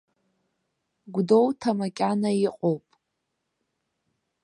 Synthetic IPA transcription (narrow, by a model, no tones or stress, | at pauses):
ɡʷdo̞wtʰamakʲʼanaiqʼowpʼ